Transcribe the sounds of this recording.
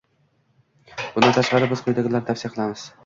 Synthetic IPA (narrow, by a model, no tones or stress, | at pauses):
b̥ʊnd̪ant̪ʰaʃqɑɾɪbɪzqʰʊjd̪aɡʲɪlaɾt̪ʰafsijqʰɨlˠamɪz̥